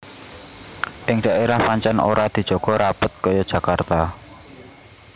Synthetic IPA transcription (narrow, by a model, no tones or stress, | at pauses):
ʔɪŋɖ̥aʔeɾahpaɲt͡ʃanʔo̰ɾad̪̥i̤d̥ʒ̥ɔ̤ɡ̥ɔ̤ɾapʊt̪̚kɔjɔd̥ʒ̥ä̤kart̪a